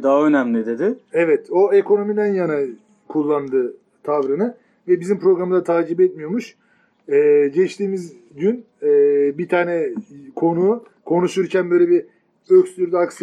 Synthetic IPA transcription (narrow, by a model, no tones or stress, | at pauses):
d̪aɦaønæmlʲid̪e̞d̪ɪɛvɛt̪o̞eko̞no̞mid̪ænjana | kʰulˠːand̪ɯ | t̪ʰavɾɯnɯ | vɛbizimpɾo̞ɡɾamɯzat̪ʰaːd͡ʒibɛt̪̚mijo̞ɾmuʃ | ɛːɟɛt͡ʃt̪ʰiːmiz | ɟynː | bit̪ʰaːnɛkʰo̞nu | kʰo̞nuʃuɾcʰænbø̞jlʲei | øcst̪yɾd̪aks